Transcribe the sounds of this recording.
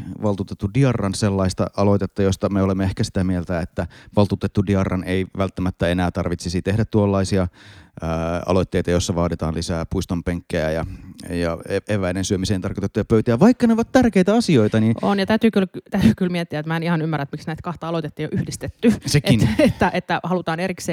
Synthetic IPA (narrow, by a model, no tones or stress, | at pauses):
ʋɑlt̪uːt̪et̪ːudiɑrːɑnselːɑist̪ɑ̰ʔɑlo̞t̪et̪ːɑjost̪ɑmeolemːeehkæsi̥t̪æmielt̪æet̪ːæʋɑlt̪uːt̪et̪ːudiɑrːɑneiʋælt̪ːæmæt̪ːæenæːt̪ɑrʋit̪sisit̪ehdæt̪t̪ːuolːɑisiɑ | ɑ̰lot̪ːeit̪ɑjosːɑʋɑːdit̪ɑ̰ːnlisæːpuist̪ompeŋkːejæjɑjɑeeʋæinensyømiseːnt̪ɑrkot̪et̪ːujɑpøyt̪ææʋɑikːɑneoʋɑt̪t̪ærkeit̪æɑsioit̪ɑninʔonjɑt̪æyt̪yːkylt̪æyt̪yːkylmiɛt̪ːiæet̪mæenihɑnymːæræet̪miksnæit̪kɑht̪ɑɑlot̪et̪ːejo̰ʔyhdist̪et̪ːysekinet̪ːæʔet̪ːæhɑlut̪ɑːnerikseː